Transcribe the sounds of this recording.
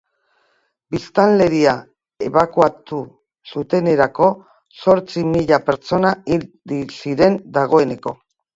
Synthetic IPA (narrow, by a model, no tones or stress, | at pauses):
bist̪anle̞ɾia | e̞̰βakuat̪u | sut̪e̞ne̞ɾako̞ | so̞ɾt͡simiʎape̞ɾt͡ʃo̞naild̪isiɾe̞nd̪aɣ̞o̞e̞ne̞ko̞